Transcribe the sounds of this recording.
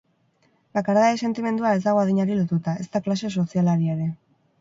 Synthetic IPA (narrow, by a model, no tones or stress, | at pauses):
bakaɾðaese̞nt̪ime̞nd̪uae̞zd̪aɣ̞o̞aðiɲaɾilo̞t̪ut̪ae̞st̪aklase̞so̞sialaɾieɾe̞